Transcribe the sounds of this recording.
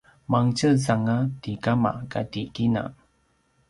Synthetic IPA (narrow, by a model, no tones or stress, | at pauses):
maŋt͡ʃəsaŋatikama̰katikina̰